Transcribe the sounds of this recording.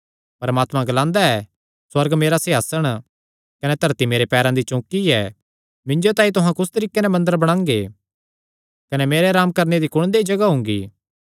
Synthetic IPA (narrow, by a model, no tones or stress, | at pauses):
pɐɾmaːt̪mãɡɐlãːnd̪aɛ | swɐɾɡmeːɾasɪɦaːsəɽ̃ | kɐnɛt̪ɐɾt̪imeːɾepɛːɾãd̪it͡ʃɔ̃ːkiɛː | mɪ̃ɲd͡ʒot̪ãːĩt̪ʊɦãkʊst̪ɐɾiːkenɛmɐ̃nd̪əɾbɐɽ̃ãːŋɡe | kɐnɛmeːɾeɾaːmkɐɾned̪ikʊɽ̃d̪eid͡ʒɐɡaɦʊ̃ːŋ̆ɡiː